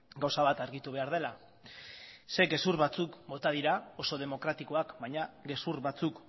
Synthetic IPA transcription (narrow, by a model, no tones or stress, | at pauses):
ɡawsaβat̪aɾɣit̪uβe̞aɾðe̞la | se̞ɡe̞suɾβat͡sukbo̞t̪að̞iɾao̞so̞ð̞e̞mo̞kɾat̪iko̞akbajɲaɡe̞suɾβat͡suk